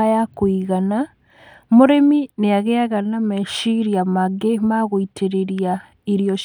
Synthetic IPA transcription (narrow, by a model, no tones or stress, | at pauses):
ajakoiɣana | moɾemineaɣeaɣanamɛʃiɾiamaɡemaɣoitʰeɾeɾja | iɾijɔ